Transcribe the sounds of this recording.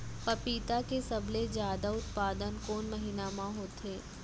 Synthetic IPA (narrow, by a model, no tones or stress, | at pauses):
pɐpiːt̪akesɐblezjaːd̪aʊt̪paːd̪ənkoːnmɐɦiːnamãɦoːt̪ʰeː